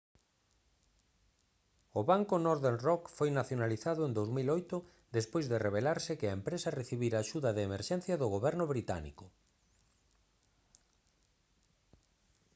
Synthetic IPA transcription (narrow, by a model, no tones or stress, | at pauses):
ʊβaŋkʊnɔɾðeɾrɔkfojnaθjonaliθaðʊend̪owzmilɔjt̪ʊ | d̪espojzðɪreβelaɾsɪkɪɐempɾesɐreθiβiɾaːʃuðɐðeːmeɾʃɛn̟θjɐðʊɣoβɛɾnʊβɾit̪a̰nḭkʊ